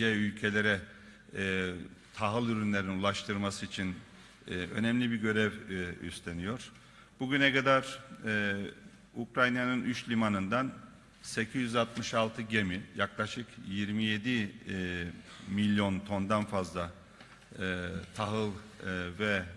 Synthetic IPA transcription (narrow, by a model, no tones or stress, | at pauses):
ɛylʲcʰe̞lʲe̞ɾɛ | t̪ʰaɦɯlˠyɾynlʲeɾinulˠaʃt̪ʰɯɾmasɯit͡ʃʰin | ø̞̰nɛmlʲibiɾɟø̞ɾɛvy̰st̪ʰenijo̞ɾ̥ | b̥uɟynɛkad̪aɾ | ukɾajnanɯnʔyt͡ʃlʲimanɯnd̪an | secʰizjyzat̪mɯʃalˠt̪ʰɯɟemijaklˠaʃɯkjiɾmijed̪i | milʲjo̞nt̪ʰo̞nd̪anfazlˠa | t̪ʰaɦɯlˠvɛ